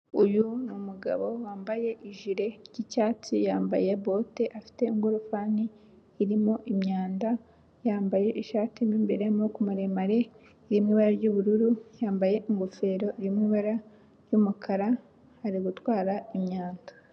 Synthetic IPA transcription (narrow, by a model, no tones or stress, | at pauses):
ujunumuɡa̰βo̞waːmbaje̞ʔiʒiɾe̞ɟicaːt͡sijaːmba̰je̞bo̞teʔafi̥te̞iŋɡuɾufaːniː | ɾimo̞ʔimɲaːnda | jaːmbaje̞ʔiʃaːtimiːmbeɾemokumuɾemaɾe̞ | iɾimŋiːβaɾaɾɟuβuɾuɾujaːmbaje̞ʔiŋɡofe̞ːɾo̞ʔiɾimŋiβaɾa | ɾjumukʰaɾa | haɾiɡutwaːɾaimɲaːndḁ